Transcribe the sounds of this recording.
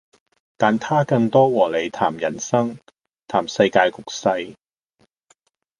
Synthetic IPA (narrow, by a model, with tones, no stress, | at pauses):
t̪aː˨nt̪ʰaː˥kɐ˧ŋt̪ɔː˥wɔː˨˩le˨˧jt̪ʰaː˨˩mjɐ˨˩nsɐ˥ŋ | t̪ʰaː˨˩msɐ˧jkaː˧jkʊ˨k̚sɐ˧j